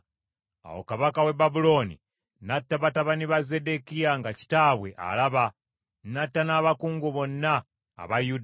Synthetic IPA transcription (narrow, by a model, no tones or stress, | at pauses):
a̰wo̰kaβakawe̞babulo̞nḭ | natːaβataβaniβazede̞kijaŋɡaci̥taːβwe̞ʔa̰laβa | natːanaβakuːŋɡuβo̞nːa̰ː | βajud